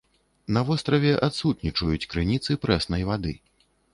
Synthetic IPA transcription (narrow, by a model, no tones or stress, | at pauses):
nɐvɔst̪ɾɐvʲɛʔat̪sut̪nʲit͡ʂɐjut͡sʲkɾɨnʲit̪sɨpɾɛsnɐjvad̪ɨ̰